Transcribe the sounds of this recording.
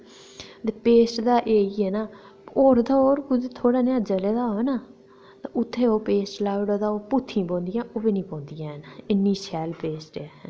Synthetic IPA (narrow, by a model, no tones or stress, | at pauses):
t̪eːpeːsʈd̪aːʔeːiːɦɛːnaː | oːɾd̪aːoːɾkʊd̪et̪ʰoːɽaːnead͡ʒəleːd̪aːonaː | t̪aʔʊt̪ʰːeːoːpeːsʈlaːɽad̪aːoːpʊt̪ʰːĩːpõːnd̪ɪjãːʔoːbeːnĩːpõːnd̪ɪjãːɦɛnaɪnːĩːsɛːlpeːsʈaːɦ